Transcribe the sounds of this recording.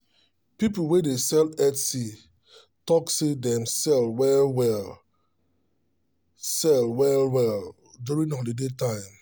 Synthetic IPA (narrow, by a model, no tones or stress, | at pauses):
pipuwedesɛlɛtsi | tɔksedɛ̃msɛlwɛlwɛl | sɛlwɛlwɛl | djuɹĩnɔldedetãɪ̃m